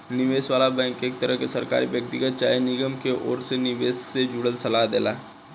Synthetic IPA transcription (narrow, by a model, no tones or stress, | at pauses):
nɪʋeːsʋaːlabɛ̃ːŋkeːk̚t̪əɾəɦkesɐɾka̰ːɾiʋjək̚t̪ɪɡət̪̚t͡ʃa̰ːjenɪɡəmkeʔɔ̰ːɾsenɪʋeːsːed͡ʒuːɽəlsɐlaɦd̪ḛːla̰ː